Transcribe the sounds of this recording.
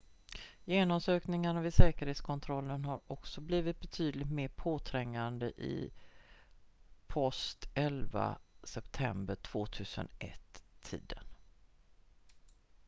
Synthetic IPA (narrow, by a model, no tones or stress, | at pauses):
jeːnɔmsøːknɪŋaɳavɪsɛːkəɾheːt̪skʰɔnt̪ʰɾɔlːənɦaɾɔksɔbliːvɪt̪̚bɛt̪ʰyːd̪lɪɡt̪meːpʰoːt̪ʰɾɛŋːand̪əʔɪ̰ | pʰɔst̪ɛlva̰sɛpt̪ʰɛmbəʈʰv̥oːt̪ʰʉ̟ːsə̰nʔɛ̰t̪ʰːḭːd̪ən